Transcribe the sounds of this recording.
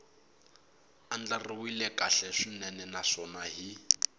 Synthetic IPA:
an̩d͡ɮariwilɛkʼaɬɛʂinɛnɛnaʂɔnaɦi

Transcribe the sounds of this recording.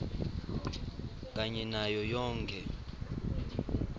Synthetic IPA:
k̬ʼaɲɛnajɔjɔːŋkʰʼɛ

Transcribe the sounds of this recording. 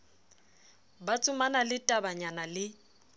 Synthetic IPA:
bat͡sʼʊmanalɪtʼabaɲanalɪ

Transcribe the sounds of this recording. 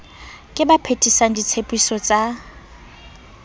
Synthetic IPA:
kʼɪbapʰetʼisaŋ̩dit͡sʰepʼisɔt͡sʼa

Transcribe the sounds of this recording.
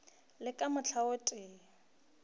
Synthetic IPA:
lɪkʼamʊt͡ɬʰaʊtʼɪː

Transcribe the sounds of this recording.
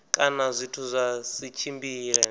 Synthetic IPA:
kʼanazʷitʰuzʷasit͡ʃʰimbiːlɛ

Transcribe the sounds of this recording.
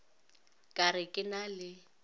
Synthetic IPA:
kʼarɪkʼɪnalɪ

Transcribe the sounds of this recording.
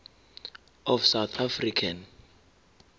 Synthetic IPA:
ɔfsawt̪ʰafrikʰan

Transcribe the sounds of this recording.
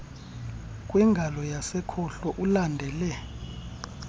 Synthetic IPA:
kʼwɛŋɡʱalɔjasɛkʰɔɬɔʔulandʱɛːlɛ

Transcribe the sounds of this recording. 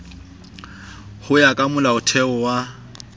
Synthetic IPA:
hʊjakʼamʊlaʊtʰɛɔwa

